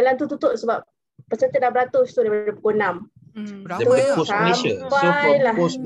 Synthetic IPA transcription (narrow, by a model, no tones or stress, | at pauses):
dalant̪̬ut̪ut̪ʊʔsəbap̚ | pəsət̪ət̪̚labəɾat̪ʊst̪udaipadapu̥konam | t̪uoskaleəpaəlah